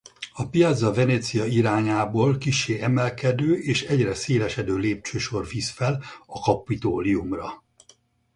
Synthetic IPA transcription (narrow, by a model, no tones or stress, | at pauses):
ɒpijɒd̪zɒvɛneːt̪sijɒiɾaːɲaːboːlkiʃːeːɛmɛlkɛd̪øːʔeːʃɛɟrɛseːlɛʃɛd̪øːleːp̚t͡ʃøːʃo̞rvisfɛlɒkɒpːit̪oːliumrɒ